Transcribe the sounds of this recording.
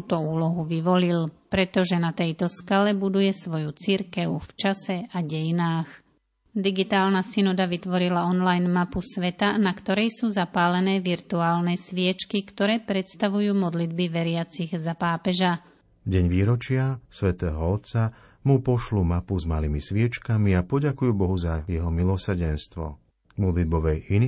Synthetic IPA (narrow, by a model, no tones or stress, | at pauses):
t̪ɔuːlɔɦuʋiʋɔlilpɾɛt̪ɔʒɛnat̪ɛjt̪ɔskalɛbud̪ujɛsʋɔjut͡siɾkɛʊft͡ʃasɛaɟɛjinaːx | d̪iɡit̪aːlnasinɔd̪aʋit̪ʋɔɾilaɔnlajnmapusʋɛt̪anakt̪ɔɾɛjsuːzapaːlɛnɛːʋiɾt̪uaːlnɛsʋɪɛt͡ʃkikt̪ɔɾɛːpɾɛt̪st̪aʋujuːmɔd̪lid̪biʋɛɾɪat͡siɣzapaːpɛʒa | ɟɛɲʋiːɾɔt͡ʃɪasʋɛt̪ɛːɦɔɔt̪sa | mupɔʃlumapuzmalimisʋɪɛt͡ʃkamiapɔɟakujuːbɔɦuzajɛɦɔmilɔsɾɟɛnst̪ʋɔ̰ | mɔd̪lid̪̚bɔʋɛjini